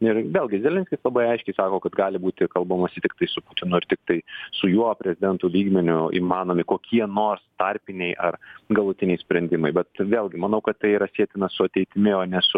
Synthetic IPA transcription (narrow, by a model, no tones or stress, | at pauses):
ɪrʋʲeːlˠʲɡʲɪzʲɛlʲɛnʲsʲkʲɪslˠɐbɐɪɐɪʃʲkʲɛɪsɑːkoːkɐt̪ɡɑːlʲɪbuːt̪ʲɪkɐlˠbɐmɐsʲɪt̪ʲɪk̚t̪ɐɪsʊput̪ʲɪnʊɪrt̪ʲɪk̚t̪ɐɪsʊjuɔpʲɾʲɛzʲɪd̪ʲɛnt̪ulʲiːɡmʲɛnʲʊḭːmɑːnoːmʲɪkoːkʲiɛnoːrst̪ɐrʲpʲɪnʲɛɪʔɐrɡɐlˠʊt̪ʲɪnʲɛɪsʲpʲɾʲɛnʲd̪ʲɪmɐɪbʲɛt̪ʋʲeːlˠʲɡʲɪmɐnɐʊkɐt̪t̪ɐɪiɾɐsʲiɛt̪ʲɪnɐsʊɐt̪ʲɛɪt̪ʲɪmʲɪoːnʲɛsʊ